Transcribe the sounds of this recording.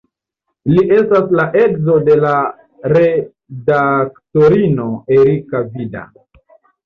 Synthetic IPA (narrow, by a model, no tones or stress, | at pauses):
liʔe̞staslaʔe̞kzo̞de̞la | ɾe̞ | dakto̞ɾino̞e̞ɾikavida̰